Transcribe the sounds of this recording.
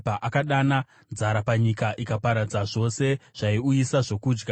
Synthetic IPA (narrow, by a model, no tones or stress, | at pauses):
aʔakaɗana | nzaɾapaɲikaʔikapaɾad͡zaʐo̞se̞ʐ̥aiujisaʐo̞kuːd͡ʒɡa